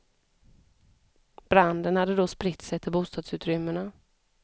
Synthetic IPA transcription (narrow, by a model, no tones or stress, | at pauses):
b̥ɾand̪ənhad̪ːəd̪ɔspɾɪt̪sɛt̪ʰːɪlbuːst̪ɑːd̪sʉ̟ːt̪ɾʏmːəɳa